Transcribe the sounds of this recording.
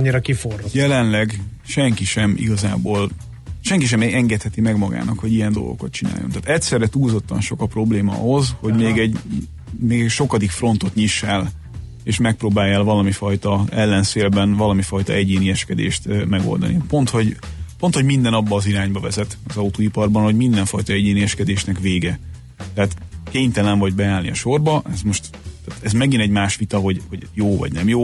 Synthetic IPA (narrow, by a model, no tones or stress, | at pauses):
ɲːiɾɒkiforojɛlɛnlɛɡ | ʃɛŋkiʃɛmʔḭɡɒza̰ːboːl | ʃɛŋkiʃ̬ɛmɛɛŋɡɛt̪hɛt̪imɛɡmɒɡa̰ːnɒkho̞ɟijɛnd̪o̞̰lɡo̰kɒt̪̚t͡ʃina̰ːjont̪aːt̪ɛctsɛrːɛt̪uːlzo̞t̪ːɒ̰nʃo̞kɒpro̞bleːmɒɒ̰ɦo̞zho̞ɟmeːɡɛɟ | meːɡɛʃo̞kɒd̪ikfro̞nt̪o̞t̪ɲiʃːɛl | eːʃmɛk̚proːbaːjːɛlvɒlɒmifɒjt̪ɒɛlːɛnseːlbɛnvɒlɒmifɒjt̪ɒɛɟeːniɛʃkɛd̪ḛːʃt̪mɛɡo̰ld̪ɒ̰nḭpo̞nt̪ho̞ɟpo̞nt̪ho̞ɟmind̪ɛnɒbːɒːziɾaːɲbɒvɛzɛt̪ɒzɒut̪oːipɒrbɒnho̞ɟmind̪ɛɱfɒjt̪ɒɛɟeːniɛʃkɛd̪eːʃnɛkʋeːɡɛ | t̪ɛɦaːt̪keːɲt̪ɛlɛɱvɒɟbɛaːlnḭɒʃo̞rbɒʔɛzmo̞ʃt̪ | t̪ːɛːt̪ɛzmɛɡinɛɟmaːʃʋit̪ɒɦo̞ɟho̞ɟjoːvɒ̰ɟnɛmjoː